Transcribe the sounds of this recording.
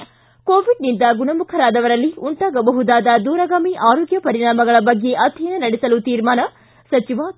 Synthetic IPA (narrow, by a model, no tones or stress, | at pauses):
koːʋiɖnind̪ɐɡunɐmukʰɐɾaːd̪ɐʋɐɾɐlːiuɳʈaːɡɐbɐɦud̪aːd̪ɐd̪uːɾɐɡaːmiʔaːɾoːɡjɐpɐɾiɽaːmɐɡɐɭɐbɐɡːe̞ʔɐt̪inɐnɐɽɛsɐlut̪iːɾmaːnɐ | sɐt͡ʃiʋa